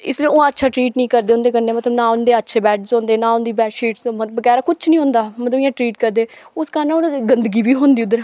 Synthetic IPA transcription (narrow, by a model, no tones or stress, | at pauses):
ɪsliõːətːʃʰaːʈɾiːʈnĩːkəɾd̪eːʊ̃ːnd̪eːɡəneːmət̪ləbnãːʊnd̪eːətːʃʰeːbɛːʈzõːnd̪eːnãːʊnd̪iːbɛːʈʃiːʈsməbəɡɛːɾaːkʊt͡ʃʰnĩːɦõːnd̪aːmət̪ləbɪãːʈɾiːʈkəɾd̪eː | ʊskaɾnaoɡənd̪ɡiːbiːɦõːnd̪iːʊd̪ːəɾ